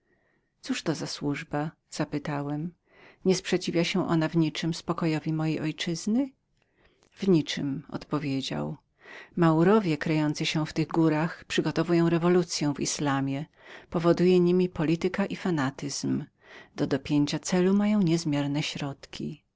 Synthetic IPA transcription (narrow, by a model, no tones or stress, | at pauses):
t̪suʂt̪ɔzaswuʐba | z̥apɘt̪awɛm | ɲɛspʂɛt͡ɕivʲjaɕɛ̃ʔɔ̰navɲit͡ʂɘmspɔkɔjɔvʲimɔjejʔɔjt͡ʂɘznɘ | vɲit͡ʂɘ̰mɔ̰t̪pɔvʲjed͡ʑa̰w | mawɾɔvʲjɛkɾɛjɔnt̪sɨɕɛ̃ft̪ɘɣɡuɾaxpʂɘɡɔt̪ɔvujɔ̃w̃ɾɛvɔlut̪sʲjɛ̃w̃vḭslamʲjɛ | pɔvɔd̪ujɛɲimʲipɔlʲit̪ɘkaʔifanat̪ɘz̥m | d̪̥ɔd̪ɔpʲjeɲt͡ɕat̪sɛlumajɔ̃w̃ɲɛzmʲjɛɾnɛɕɾɔt̪kʲʰḭ